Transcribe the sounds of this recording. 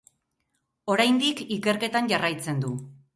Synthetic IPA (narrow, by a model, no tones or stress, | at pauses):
o̞ɾajnd̪ikike̞ɾke̞t̪anʝarajt͡se̞nd̪u